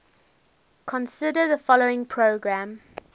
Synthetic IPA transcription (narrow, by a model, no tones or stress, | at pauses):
kʰɔ̃nsɪdəðəfɔloʊɪ̃ŋpʰɹoɡɹãm